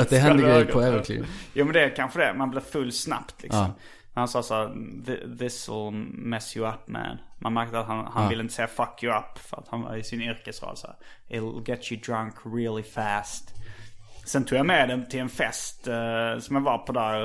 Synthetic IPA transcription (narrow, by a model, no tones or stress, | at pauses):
ad̪ɛɦɛnd̪əɡɾɛjəpʰɔɛvəɾkʰlɪ̰juːmɛnd̪ɛkʰanɧəd̪ɛmanbleːfɵlːsna̰pt̪ʰlɪ̰ʔksɔ̰m | næɾhansɑːsæːɾðɪ̰ðɪsəlmɛsjəapmɛ̰nmʔa̰nmæɾk̚t̪əat̪hanhanvɪləɪnt̪əseːafakʰjʉapːfœ̰ɾa̰t̪hanvɑ̰ɾɪsɪnʏɾkəsɾɑ̰ːd̪sæ̰ːɾɪlɡɛt̪əd̪ɾãŋkɾɪlɪfæst̪ | sɛnt̪ʰuːɡjamɛd̪ɛmt̪ʰɪlɛnfɛst̪sɔmjavɑpʰɔd̪æɾ